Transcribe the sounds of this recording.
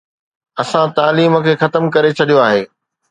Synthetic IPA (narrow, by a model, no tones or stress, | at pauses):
ɐsãt̪aːliːmə̆kʰeːxɐt̪əmkɐɾet͡ɕʰɐɗijoaːɦeː